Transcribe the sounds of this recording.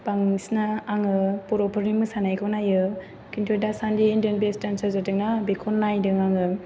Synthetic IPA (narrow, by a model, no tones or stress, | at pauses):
paŋisnaːŋɯpɔɾɔpʰɯɾimɯsanajkʰɔnajɯ | kintʰodasandiːndiənbestansazatɯŋ̚nabekʰɔnːajdɯŋaŋɯ